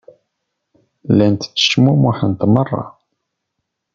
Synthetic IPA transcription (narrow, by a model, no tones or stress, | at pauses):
lænt̪t͡sːə̥ʃmumuħənt̪mərˤːɑ̰